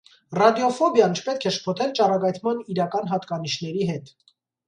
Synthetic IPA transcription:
rɑd̪jɔfɔbjɑnt͡ʃʰə̥pɛt̪̚kʰɛʃpʰɔt̪ʰɛlt͡ʃɑrɑɡɑt̪ʰmɑniɾɑkɑnɦɑt̪kɑniʃnɛɾiɦɛt̪

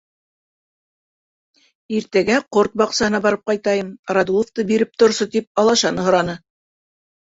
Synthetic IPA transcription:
iɾt̪æɡæqoɾt̪̚bɑqsɑɦɤ̆nɑbɑɾɤp̚qɑjt̪ɑjɤmɾɑd̪ulˠŏft̪ɤbiɾɘp̚t̪ŏɾsɤt̪ip̚ɑlˠɑʃɑnɤ̆ɦŏɾɑnɤ

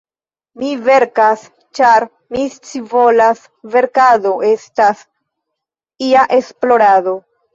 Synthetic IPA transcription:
mive̞ɾkas | t͡ʃaɾ | mist͡sivo̞las | ve̞ɾkado̞ʔe̞stas | iaʔesplo̞ɾado̞

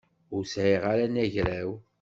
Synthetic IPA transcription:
ʊɾsʕiʁaɾænæʝɾæw

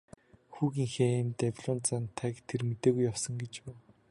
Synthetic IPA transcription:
xuːɣiːŋxeːmt̪æpʲɮɔːnt͡sant̪ʰːækt̪ʰermet̪eːɣujːawsə̆ŋɡet͡ɕpu

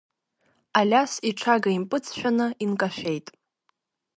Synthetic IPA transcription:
alʲasiʈ͡ʂʰaɡaimpʼɨt͡sʰʃᶣanɨinkʼaʃʷᶣe̞jtʼ

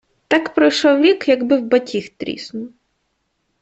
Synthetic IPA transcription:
t̪ɑkpɾɔjʃɔwɾʲikjɐɡbɪwbɐtʲixt̪ɾʲḭsnʊ

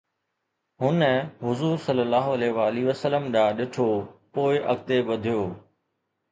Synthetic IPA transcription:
ɦʊnəɦʊzuːɾsɐlːəlːaːɦoɐleʋaːliʋəsələmɗãːɗɪʈʰopoːɪʔɐ̰ɡt̪eɓɐd̪ʱijoː

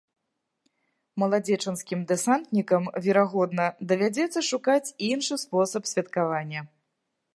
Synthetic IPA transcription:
mɐlˠad͡zʲɛt͡ʂɨnskʲimd̪ɛsant̪nʲikɐmvʲɛɾaɣɔd̪nɐd̪ɐvʲad͡zʲɛt̪sːɐʂukat͡sʲinʂɨspɔsɐpsʲvʲɐt̪kavanʲːɐ

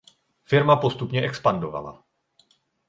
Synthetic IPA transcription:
fiɾmapɔst̪upɲɛʔɛkspand̪ɔʋa̰la̰

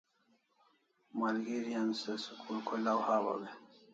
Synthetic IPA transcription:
malɡiɾijansesukʰulkʰulawhaːba̰be

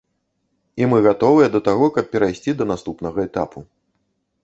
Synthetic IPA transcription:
imɨɣat̪ɔvɨjɛd̪ɐt̪aɣɔkɐp̚pʲɛɾajsʲt͡sʲid̪ɐnast̪upnɐɣɐɛt̪apʰu

